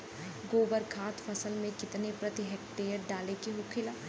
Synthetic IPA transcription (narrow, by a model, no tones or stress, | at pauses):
ɡoːbəɾkʰaːt̪fʰɐsəlmẽkɪt̪nepɾɐt̪iɦɛkʈeːɾɖaːlekeɦokʰɪla